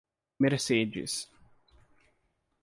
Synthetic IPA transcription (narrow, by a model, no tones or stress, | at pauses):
meɾsed͡ʒɪ̰s